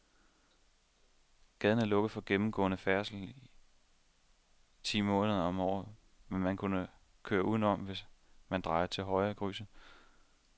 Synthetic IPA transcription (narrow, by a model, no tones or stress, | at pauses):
ɡ̥ɛð̞ˠn̩æɐlɔ̽ɡ̥ð̩ˠfɒ̽ɡ̥emm̩ɡ̥ɔ̰̽ːnəfæɐsl̩i | t͡sʰḭːmɔ̽ːnəðˠɐɒ̽mɒ̰ːð̩ˠ | menmænkʰunə | kʰøːɐʔuð̰ˠn̩ɒ̽mʋe̝smænd̥ʁɑ̈ɪɐt͡sʰe̝lɦɒ̽ɪɐɡ̥ʁy̰ːsə